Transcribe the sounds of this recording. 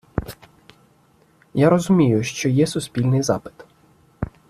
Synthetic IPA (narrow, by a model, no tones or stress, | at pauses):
jaɾɔzʊmʲijʊʃt͡ʃɔjɛsʊsʲpʲilʲnɪjzɑ̰pɪ̥t̪